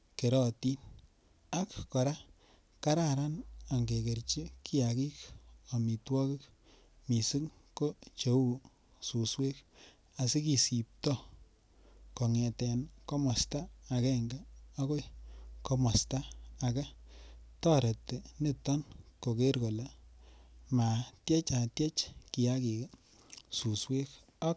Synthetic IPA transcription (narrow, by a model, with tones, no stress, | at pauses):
ke˨ɾɔ˨ti˦n | a˦kkɔ˨ɾa˦ | ka˦ɾa˦˨ɾa˦na˨ŋɡe˨ke˨ɾt͡ʃi˦ki˦ja˨ki˦ka˨mi˨twɔ˦kɪ˦k | mi˨si˦ŋko˦t͡ʃe˨˦u˦˨ | su˨swe˦k | a˨si˦ki˨si˨p̚tɔ˦ | ko˨ŋɛ˨tɛ˨nko˦mɔ˨staː˦˨kɛ˦ŋɡa˦o˦ko˦iko˧mɔ˨staː˦˨ka˦ | tɔ˦ɾe˨tne˦tːɔ˦nko˨ke˦ɾko˨la˨ | ma˨tje˦t͡ʃa˨tje˦t͡ʃki˨ja˦ki˨k | su˨swe˦k | ɔ˦k